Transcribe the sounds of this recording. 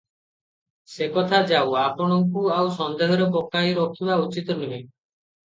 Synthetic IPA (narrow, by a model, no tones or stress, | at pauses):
sekɔt̪ʰad͡ʒawapɔɽ̃ɔŋkuawsɔnd̪eɦɔɾɔpokajɾokʰibaut͡ʃit̪ɔnue